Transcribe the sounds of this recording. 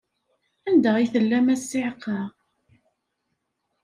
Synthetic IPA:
ænd̪æʁiθəlːæmæsːiʕqːɑ

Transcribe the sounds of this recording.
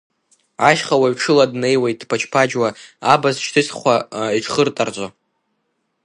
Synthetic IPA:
aʃχawaɥʈ͡ʂʰɨladne̞jwajt̚ʰʼːpʰat͡ʃʰpʰad͡ʒwaabazʃtʰɨsχʷaiʈ͡ʂʰχərtʼard͡ʒʷʼo

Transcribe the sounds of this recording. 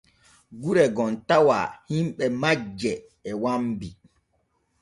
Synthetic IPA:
ɡuɾɛɡɔntawa̰himɓɛmad͡ʒːɛː | wambi

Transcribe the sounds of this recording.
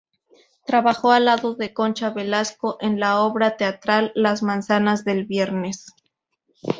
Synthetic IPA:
t̪ɾaβaxo̞alaðo̞ðe̞ko̞nt͡ʃaβelasko̞ʔenlao̞βɾat̪e̞at̪ɾalːazmãnsanazðe̞lβje̞ɾnes

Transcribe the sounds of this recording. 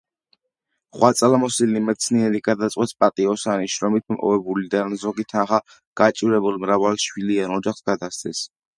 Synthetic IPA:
χwat̪sʼalamɔsilnimɛt̪sʰniɛɾiɡad̪at̪sʼqʼwɛt̪spʼat̪ʼiɔsaniʃɾɔmit̪̚ʰmʔʼɔ̰vɛbulid̪anzɔɡit̪ʰanχa | ɡ̥at͡ʃʼiɾɛbulˠmɾavalʃwilianɔd͡ʒaχsɡad̪ast̪sʰɛs

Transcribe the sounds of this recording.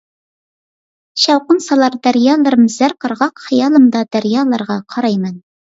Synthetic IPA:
ɕɑwqənsɑlˠɑɾd̪æɾjɑlˠɑɾəmzæɾqəɾʁɑqχɤjɑlˠɤmd̪ɑd̪æɾjɑlˠɑɾʁɑqʰɑɾɑjmæn

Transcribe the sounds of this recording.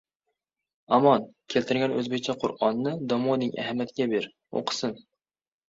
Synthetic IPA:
amɒnkʲʰe̞lt̪ʰɪɾɡʲanɵzbek̚ʲt͡ʃʰaqʰʊɾɒnːɪd̪ɒmɒnɪŋʔa̰hamjat̪ʰɪɡʲabe̞ɾ | o̰qʰɨ̥sɪn

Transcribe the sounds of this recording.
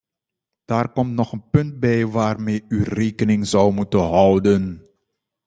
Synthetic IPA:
d̥aːrkɔmtnɔχənpɵnt̚bɛjʋaːrmeːyreːkənɪŋzʌwmutənɦʌwdən

